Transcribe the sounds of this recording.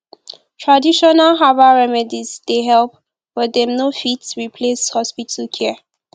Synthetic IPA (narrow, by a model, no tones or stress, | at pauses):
tʰɹadiʃɔnalɦavaɹɛmɛdizdeɦɛlp̚ | wɛd̪ɛmnofitɹipʰleshɔspitʰəlkʰɛ